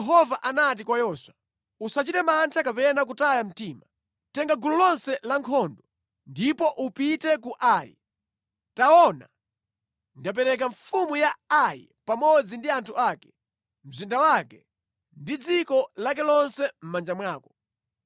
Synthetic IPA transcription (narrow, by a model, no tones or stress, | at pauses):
ɛɦɔvaʔanat̬ikwajɔːswa | usat͡ʃitɛmantʰakapɛnakutajam̩tiːma | tɛŋɡaɡululɔnsɛlaŋkʰɔndɔ | ndipɔʔupitɛkuʔaːjḭ | taɔna̰ | ndap̬ɛɾɛkaɱfumujaajḭ | pamɔd͡zindiantʰuakɛ̥ | m̩zindawakɛ | ndid͡zikɔlak̬ɛlɔnsɛm̩mand͡ʒamwaːkɔ̥